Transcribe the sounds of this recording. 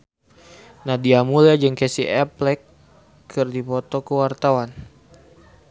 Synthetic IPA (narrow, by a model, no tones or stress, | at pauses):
nahdiamulad͡ʒɨŋkɛsiɛplɛkʰː | ɨrdipɔt̪ɔkəwart̪awan